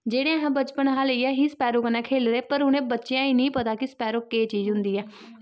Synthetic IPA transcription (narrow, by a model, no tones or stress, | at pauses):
d͡ʒeːɽẽːəɦãːbət͡ʃpənɦãːləiːɛːɦiːsəpɛːɾoːkənẽːkʰeːlɾeːpəɾʊnẽːbətːʃejãːiːnĩːpət̪aːkɪsə̥pɛːɾoːkːeːt͡ʃiːzɦʊnd̪iːɛː